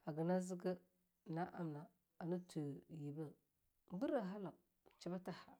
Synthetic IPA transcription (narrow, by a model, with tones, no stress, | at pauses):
a˨ɡə˨na˦zi˦ɡə˦ | na˦ʔa˦mna˨ | a˨nə˦tu˨ji˨bə˦ | bu˦ɾa˨ɦa˦la˨ | t͡ʃi˨ba˦ta˦ha˨